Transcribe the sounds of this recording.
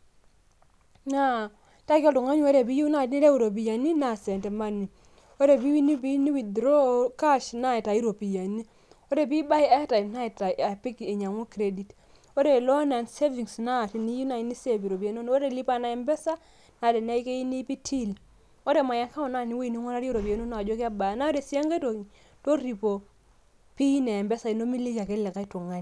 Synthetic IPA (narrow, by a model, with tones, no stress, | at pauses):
na˦˨ | ta˦ko˦ldo˨ŋo˦ɲ˦o˦ɾe˨bi˦ju˦na˦˨˦ni˦ɾe˦wu˨ɾo˨b̬i˨ja˨ni˦na˨se˨nte˨ma˦ni˨ | o˦ɾe˨bi˦wi˦ni˦bi˦ni˦wi˨dɾo˦ka˦ʃna˦i˨ta˨i˦ɾo˨bi˨ja˨ni˦ | o˦ɾe˦˨bi˦ba˦i˦a˦ta˨i˨na˦i˨ta˨a˨pi˦ke˨ɲa˨ŋu˦kɾe˦di˨t | o˦de˨lɔ˦na˨nse˦vi˨ŋsna˦˨ti˨ni˦ju˦na˨i˨ni˦se˦˨pi˨ɾo˨p̬i˨a˨˦no˦n˦o˦ɾe˨li˦pa˦na˨ɛ˨mbɛ˦sa˦ | na˨de˨n˦a˦i˦ke˦i˦ni˦pi˦tʰi˦l | o˦de˨ma˨ja˦ka˦ɔ˨na˦˨ni˦wo˦i˨ni˦ŋo˦ɾa˦ɾo˦ɾo˨pi˨e˨˦no˦na˨d͡ʒo˦kɪ˦a˦ba˨na˦o˦de˨sja˦ŋɡe˦to˨ŋi˨ | to˦ɾi˨po˨ | pi˦nɛː˨mbɛ˦sa˨i˨no˦mi˦li˦ʃa˨ke˦lɪ˨ka˦i˦tu˨ŋa˦n˨